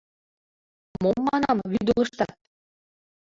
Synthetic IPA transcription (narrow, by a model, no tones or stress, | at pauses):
momːɑnɑmβyd̪ulˠɤ̆ʃt̪ɑt̪̚